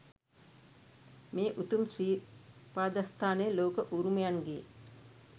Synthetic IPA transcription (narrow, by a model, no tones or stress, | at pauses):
meːʔut̪umsɾiːpaːd̪ast̪ʰaːneəloːkəʔuɾumejanɡej